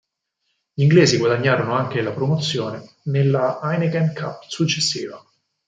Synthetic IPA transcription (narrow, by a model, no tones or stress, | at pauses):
ʎiŋɡleːziɡwad̪aɲːaːɾonoaŋk̟elapɾomot̪sːjoːne | nelːaajneɡɛnkʰapːsut͡ʃːesːiːva